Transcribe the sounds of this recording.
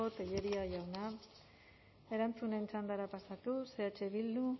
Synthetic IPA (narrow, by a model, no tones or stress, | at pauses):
o̞t̪eʎe̞ɾiaʝawna | e̞ɾant͡sunent͡sand̪aɾapasat̪use̞at͡ʃe̞βild̪u